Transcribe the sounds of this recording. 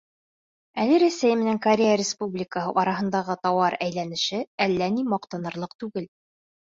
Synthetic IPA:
ælɘɾæsæjmɘ̆næŋkɐɾʲejaɾʲɪspublʲɪkəɦɤ̰ʔɒɾɑɦɤ̆nd̪ɑʁɤt̪ɒwɑɾæjlænɘ̆ʃɘælːænimɒqt̪ɑnɤ̆ɾlˠɤq̚t̪ʉɡɘl

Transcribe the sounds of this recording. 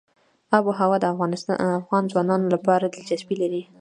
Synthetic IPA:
ɑboɦawɑd̪əafɣɑnsafɣɑnzwɑnɑnolapɑɾad̪əld͡ʒasbilaɾi

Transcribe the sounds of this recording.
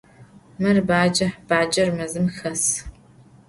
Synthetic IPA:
mɐrbaːd͡ʒɐħb̥aːd͡ʒʼɐrmɐzɨmxɐs

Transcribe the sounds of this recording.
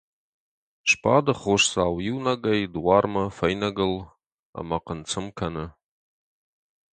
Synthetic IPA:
ʃpʰadɨχʊʂsaːwjiwnɐɡɐjdwarmɐfɐjnɐɡɨl | a̰maqənt͡sʰɨmkʰɐnɨ

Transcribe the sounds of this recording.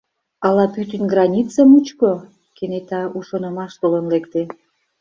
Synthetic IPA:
ɑlɑpyt̪ənɡrɑnʲit͡səmut͡ɕko | kenet̪ɑuʃonɤ̆mɑʃt̪olənlekt̪e

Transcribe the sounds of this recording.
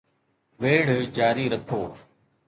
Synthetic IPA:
ʋeːɽ̤od͡ʒaːɾiːɾəkʰoː

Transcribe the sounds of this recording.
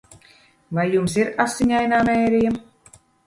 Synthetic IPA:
vajːumsiɾasːiɲʲajnaːnɛːɾiɛm

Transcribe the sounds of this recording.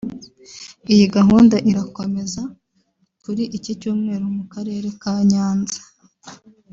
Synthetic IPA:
ijiɡaɦuːndaʔiɾako̞me̞za | kuɾiʔicicuːmŋe̞ːɾumukaɾe̞ːɾe̞kaːɲaːnzḁ

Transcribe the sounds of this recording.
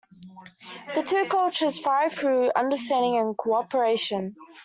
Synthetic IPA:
ðətʰʉːkʰʌlˠt͡ʃəz̥faɪθɹʉːʌ̰̃ndəstæ̃ndɪ̃ŋə̃nkʰəɒpəɹeɪʃə̃n

